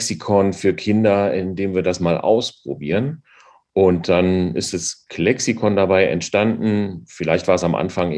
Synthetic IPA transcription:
sikʰɔnfyːɐkʰɪndɐɪndeːmviːɐdasmaːlʔa̰ʊspʁ̥obiːʁən | ʔʊnt̚d̥anɪ̰std̥askʰlɛksikʰɔndabaɪʔɛ̰ntʃtandn̩fɪlaɪçtv̥aːɐɛsamʔa̰nfaŋ

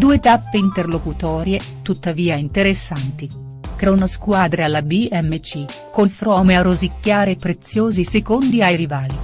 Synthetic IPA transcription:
d̪uːet̪apːeint̪erlokut̪ɔːɾjet̪ut̪ːaviːaint̪eɾesːant̪i | kɾunoskwaːd̪ɾealːabiɛmːet͡ʃikonfɾɔːmearozikʲːaːɾepɾet̪sːjoːzisekond̪iajɾivaːli

